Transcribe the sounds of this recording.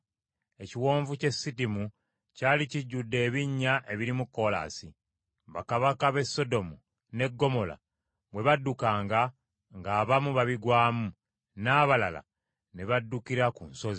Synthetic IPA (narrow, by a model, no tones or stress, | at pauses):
e̞ciwo̞ːɱvuce̞sːitimu | caːliciɟːudːe̞ːβiɲːaʔe̞βiɾimukːo̞la̰ːsi | βakaβakaβe̞sːo̞do̞mu | ne̞ɡːo̞mo̞la̰ | βwe̞βadːukaːŋɡa | ŋɡaːβamuβaβiɡwaːmu | naːβalala̰ | ne̞βadːukiɾakunso̞zi